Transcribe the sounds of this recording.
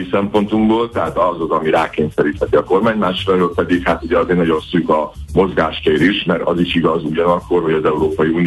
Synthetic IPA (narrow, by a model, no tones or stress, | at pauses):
isɛmpo̞nt̪umɡboːlt̪ɛɦaːt̪ɒzɒzɒmiɾaːkeːnsɛɾiːt̪hɛt̪iɒko̞rmaːɲmaːʃɾɛɾøːlpɛd̪ikhat̪uɟɛɒzeːnɒɟo̞nsyːkɒmo̞zɡaːʃkeːɾiʃmɛɾɒ̰ziʃiɡɒzuɟɒnɒkːo̞rɦo̞ɟɒzɛuɾoːpɒjiuːn